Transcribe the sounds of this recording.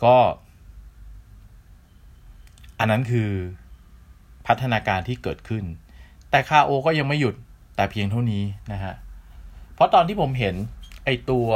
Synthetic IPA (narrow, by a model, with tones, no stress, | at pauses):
kɔː˥˩ | ʔa˧nːa˦˥nkʰɯː˧ | pʰa˦˥t̪ʰːa˧naː˧kaː˧nt̪ʰiː˥˩kɤː˨˩t̪̚kʰɯ˥˩nt̪ɛː˨˩kʰaː˧ʔoː˧kɔː˥˩ja˧ŋma˥˩ju˨˩t̪̚ː | ɛː˨˩pʰi˧əŋt̪ʰa˥˩wniː˦˥na˦˥kʰa˦˥ʔ | pʰɔ˦˥t̪ɔː˧nt̪ʰiː˥˩pʰo˩˦mɦe˩˦nʔa˧˩jt̪u˧ɐ